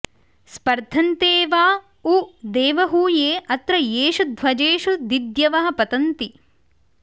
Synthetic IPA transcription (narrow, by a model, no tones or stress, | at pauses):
spɐɾd̪ʱɐnt̪eːʋaː | ud̪eːʋɐɦuːjeːʔɐt̪ɾɐjeːʃud̪ʱʋɐd͡ʒeːʃud̪id̪jɐʋɐɦɐ̆pɐt̪ɐnt̪i